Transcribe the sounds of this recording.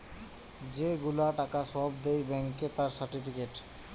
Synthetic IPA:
d͡ʑeɡulaʈakasɔbd̪ejbɛŋket̪aɾsaɾʈipikeʈ

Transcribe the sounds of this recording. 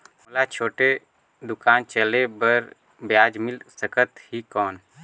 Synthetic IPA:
mʊlat͡ʃʰoːʈe | d̪ʊkaːnt͡ʃəlebəɾ | bjaːd͡ʒmɪlsəkʰət̪hikɔːn

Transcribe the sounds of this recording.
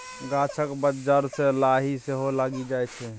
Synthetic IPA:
ɡat͡ʃʰəkbəd͡ʒəɾselaɦiseɦolaɡid͡ʒaɛt͡ʃʰɛ

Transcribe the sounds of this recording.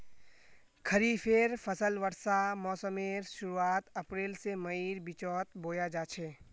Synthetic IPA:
kʰəɾipʰeːɾpʰəsəlʋəɾsamɔːsəmeːɾʃʊɾuaːt̪ɐpɾeːlsemɐiːɾbɪt͡ʃɔːt̪boːjad͡ʒaːt͡ʃʰeː

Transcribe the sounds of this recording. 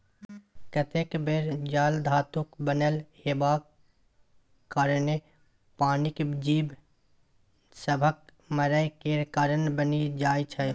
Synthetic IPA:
kət̪ekbeɾd͡ʒaːld̪ʱaːt̪ʊkbənelhebaːk | kaːɾne | paːnikd͡ʒiːb | səbʱək̚ | mɐɾəjkeɾkaːɾənbənid͡ʒaːit͡ʃʰɐ

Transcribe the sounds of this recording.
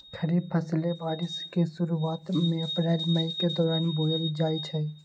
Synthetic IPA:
kʰəɾipʰəslebaːɾɪskesʊɾuaːt̪mẽəpɾaːlməiked̪ɔːɾaːnboːjəɾid͡ʒaːit͡ʃʰɛ

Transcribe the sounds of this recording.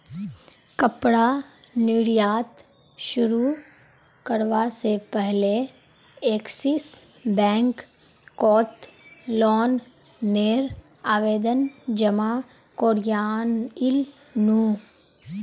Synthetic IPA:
kəpɽaniɽjaːt̪ | ʃʊɾu | kəɾʋasepɛɦle | eːksis | bɛ̃ːŋk | kɔːt̪lɔːnː | eːɾ | aːʋeːd̪ənd͡ʒəma | koːɾjaːnɪl | nuː

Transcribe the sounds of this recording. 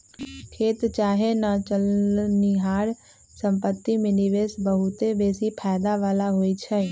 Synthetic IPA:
kʰeːt̪t͡ʃaːɦenat͡ʃəlniɦaːɾ | sə̃mpət̪ːimɪniʋeːsbəɦʊt̪ebeːsipʰɛːjd̪aʋaːlaɦoːit͡ʃʰɛ

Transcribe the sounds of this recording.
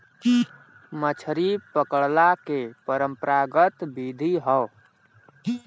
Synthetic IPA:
mət͡ʃʰɾipəkəɽlakepəɾəmpəɾaɡət̪bid̪ʱiɦəw

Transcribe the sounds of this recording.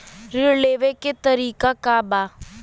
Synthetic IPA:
ɾɪɾleːʋeket̪əɾiːkakaːbaː

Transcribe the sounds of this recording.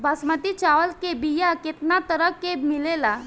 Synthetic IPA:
basmət̪it͡ʃaʋəlkebijaket̪nat̪əɾəkːemilela

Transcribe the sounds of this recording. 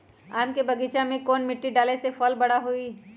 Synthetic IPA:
aːmkebɐɡiːt͡ʃamẽkɔːnmɪʈːiɖaːlesefɔːlbɐɽaɦoiː

